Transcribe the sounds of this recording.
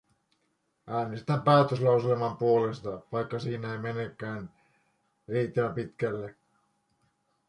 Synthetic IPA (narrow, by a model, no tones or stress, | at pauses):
ʔæːnest̪æmpæːt̪øslɑwselemɑmpuo̞le̞st̪ɑtɑjkːɑsiːnæejme̞nekːæːn | riːt̪ːæmæpit̪kælːe